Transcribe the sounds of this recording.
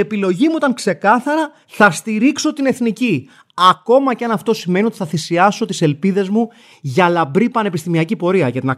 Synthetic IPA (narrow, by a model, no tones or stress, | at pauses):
e̞pilo̞ʝimuot̪ɐŋkse̞kɐθɐɾɐ | θɐst̪iɾikso̞t̪ine̞θnici | ɐko̞mɐceɐnɐft̪o̞sime̞nio̞t̪iθɐθisiɐso̞t̪ise̞lpiðe̞zmu | ʝɐlɐbɾipɐne̞pist̪imiɐcipo̞ɾiɐʝɐt̪inɐ